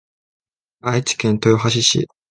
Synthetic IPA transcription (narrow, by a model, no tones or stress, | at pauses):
ait͡ɕi̥kẽ̞nt̪ojoɦaɕ̬iɕḭ